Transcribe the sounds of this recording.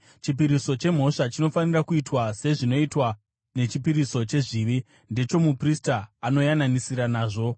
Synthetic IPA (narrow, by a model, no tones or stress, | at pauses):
t͡ʃipiɾiso̞t͡ʃe̞m̤o̞ʂat͡ʃino̞fanirakuitwase̞ʐino̞itwa | ne̞t͡ʃipiɾiso̞t͡ʃe̞ʐiʋi | nde̞t͡ʃo̞mupristaːno̞jananisiɾanaːʐo̞